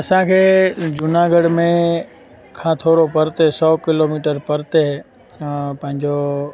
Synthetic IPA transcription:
ɐsãkʰeːd͡ʒʊnaɡəɽmẽ | kʰãːt̪ʰoːɾopəɾt̪esɔːkɪloːmiːʈəɾpɐɾt̪e | pɐ̃ɦɪ̃ɲd͡ʑo

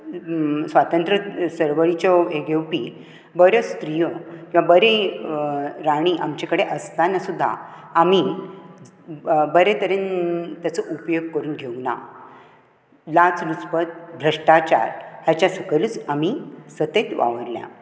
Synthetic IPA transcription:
sʋat̪ənt̪ɾəsəɾʋəɭit͡ɕɔeɡewpḭ | bəɾjɔst̪ɾijɔkĩʋabəɾe | ɾaɽ̃iʔamt͡ɕakəɽeʔəst̪anasud̪ʱːa̰ː | mi | bəɾet̪əɾent̪jat͡səʔupjoɡ̚kəɾuːnɡʱewna̰ | lat͡snuspət̪̚bʱɾəʂʈat͡ɕa̰ɾɦjat͡ɕjasəkəlut͡samisət̪et̪ʋa̰ʋəɾljã̰

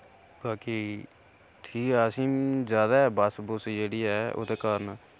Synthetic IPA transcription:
baːkiː | ʈʰiːkɛəsĩːd͡ʒjaːd̪aːɛːbəsbʊsd͡ʒeːɽiːɛːo̰ːt̪eːkaːɾnaː

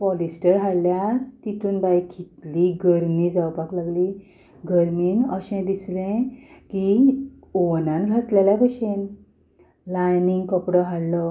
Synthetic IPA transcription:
pɔlisʈəɾɦaɽljat̪it̪uːnbajkʰit̪liɡəɾmĩd͡zawpaklaɡli | ɡəɾmiːnəɕɛ̃d̪islɛ̃ki | oʋnãnɡʱat͡sleljãpəɕen | lajniŋɡkəpɽɔɦaɽlɔ

